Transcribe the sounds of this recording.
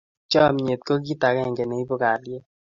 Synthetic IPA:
t͡ʃɔ˦˨m˨ɲe˨t̚ko˦k̬i˦ta˨kɛ˦˨ŋɡɛ˨ne˨i˦bo˦ka˨lje˦

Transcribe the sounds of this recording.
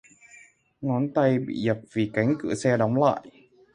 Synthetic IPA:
ŋɔ˨˦nt̪a˧jbḭ˧˩jə˨˩p̚v̥i˨˩ka˨˦jŋ̟kɨ̰˧˩˨sɛː˧ɗɔ˨˦wŋ͡mla̰ː˧˨j

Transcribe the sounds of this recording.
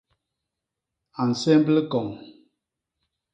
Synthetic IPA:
a˨n̩˨sɛ˦m˦ble˦kɔ˨ŋ

